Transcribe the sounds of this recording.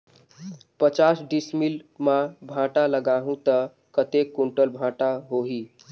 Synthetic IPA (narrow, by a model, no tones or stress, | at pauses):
pət͡ʃasɖismilmabʱãʈaləɡaɦũt̪ə | kət̪ekːuɳʈəlbʱãʈaɦoɦi